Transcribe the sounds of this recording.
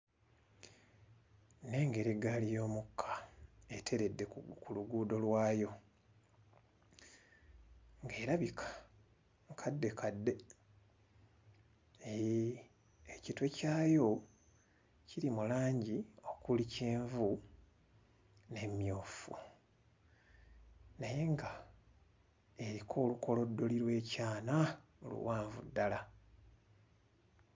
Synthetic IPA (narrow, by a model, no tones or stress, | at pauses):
ne̞ːŋɡe̞ɾiɡalijo̞ːmukʰːḁetʰe̞ɾe̞dːe̞kuluɡuːdo̞lwaːjo̞ | ŋɡeːɾaβikʰḁ | kʰadːe̞kʰadːe̞ | ecitwe̞caːjo̞ | ciɾimulaːɲɟio̞kuliceːɱvu | ne̞mjoːfṵ | naje̞ŋɡa | e̞ɾikʰo̞ːlukʰo̞lo̞dːo̞liɾwe̞ːcaːnaolṵwaːɱvṵdːala